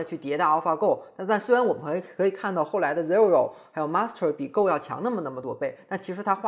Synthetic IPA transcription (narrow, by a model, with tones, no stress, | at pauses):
t͡ɕʰy˥˩t̪jɛ˧˥t̪a˥˧˩ɑ˥ʊfa˧ko˥˩ʊt̪a˥˧t̪a˥˩nswe˥ɻa˥nwɔ˨˩mə˦˩˧kʰɤ˧˥i˨˩kʰa˥˧nt̪ɑ˥˧ʊxo˥˩ʊla˧˥ɪd̪ə˧zɛ˥˩ɻo˨˧˩ʊxa˥jo˨˩ʊma˥stʰə˧˩pi˨˩ko˥˧ʊjɑ˥˩ʊt͡ɕʰjɑ̰˧˥ŋna˥˩mə˩na˥˩mə˩t̪wɔ˥˩pe˥˩ɪna˥˩t͡ɕʰi˧˥ʂ̬ɻ̩˧˥t̪ʰa˥xwa˥˩